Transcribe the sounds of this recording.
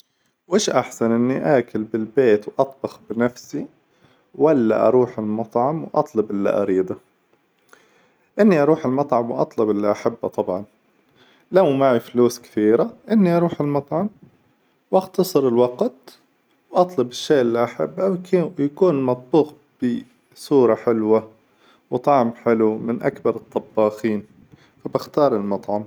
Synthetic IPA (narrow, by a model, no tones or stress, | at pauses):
wʔɪːʃʔaħsanʔɪnːiʔaːkɪlbɪlbeːt̪wʔɑt̪̚ˤbɑxbɪnafsi | walːa̰ʔɑ̰ɾˤuːħɪlmɑt̪ˤʕɑmwʔɑ̰t̪ˤlʊbʔɪlːḭʔɑ̰ɾiːd̪ˤa | ʔɪnːiʔɑɾuːħɪlmɑt̪ˤʕɑmwʔɑ̰t̪ˤlʊbʔɪlːiʔaħabːa̰t̪ˤɑbʕɑn | lawmaʕifluːskɪ̥t̪iːɾaʔɪnːiʔɑɾuːħɪlmɑt̪ˤʕɑm | wʔɑxt̪ɑsˤɨɾɪlwɑqt̪ | wʔɑt̪ˤlʊbɪʃːeːʔɪlːiʔaħa̰bːawjakuːnmɑt̪̚ˤbuːq | b̥ɪ | suːɾˤɑħɪlwa | wt̪ˤɑʕmħɪlumɪnʔakbɑɾˤɨt̪ˤːɑbːɑːxiːn | fabɪxt̪ɑːɾˤɪlmɑt̪ˤʕɑm